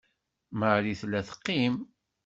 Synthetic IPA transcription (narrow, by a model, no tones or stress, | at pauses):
məʕɾiθlːæθə̥qːim